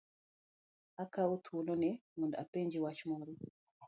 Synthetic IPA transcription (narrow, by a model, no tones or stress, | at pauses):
akaut̪ʰulɔnɛmunda̰peɲd͡ʒiwat͡ʃimɔɾɔ